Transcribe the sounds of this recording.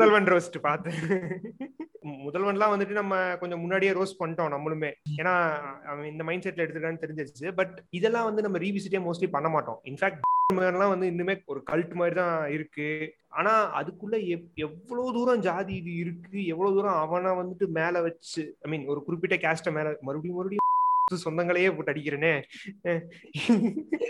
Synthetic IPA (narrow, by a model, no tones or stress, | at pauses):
mʊðɐlʋɐɳɾoːsʈːɯpaːɾt̪ɯ̃ | mʊðɐlʋɐɳɖlãːʋɐnd̪ɯʈ̬ːɯnɐmːɐkɔɲd͡ʒɔ̃mʊnːaːɽɪjaːɾoːspɐɳʈːõːnɐmːɐɭɯmeːeːnaːɐ̃ɪnd̪ɐmɐɪnɳɖsɛʈːlɛɽɯt̪ːɯɾɯkːaːnːɯt̪ɛɾɪɲd͡ʒɐt͡ʃːt͡ʃːɯbɐʈɪðɛlːãːʋɐnd̪ɯnɐmːɐɾiːʋiːs̬ɪʈːeːmoːsʈlipɐɳːɐmaːʈːõ̰ːɪnfæːk̚ʈ̚ɖɾmeːnɐlãːʋɐnd̪ɯɪnːɯmeːɔɾɯkɐlʈɯmaːd̪ɾit̪ãːɪɾɯkːɯʔa̰ːnaːɐ̰ðɯkːɯɭːɐɛɛʋːɐɭoːðuːɾɐ̃d͡ʒaːðiɪðɯɪɾɯkːɯɛʋːɐɭoːðuːɾɐ̃ɐʋɐ̃lãːʋɐnd̪ɯʈːɯmeːlɐʋɐt͡ʃːɯɐɪmiːnɔɾɯkʊɾɪp̬ːɪʈːɐkaːsʈɐmeːlmɐɾɯɐɽijmɐɾɯɽɪjɯsɔnd̪ɐŋɡɐɭɐjeːpoːʈːɐɽɪkːɪɾɐneː